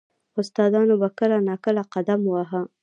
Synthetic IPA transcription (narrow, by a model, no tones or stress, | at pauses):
ʊst̪ɑd̪ɑnobakəlanɑkəlaqad̪amwaɦa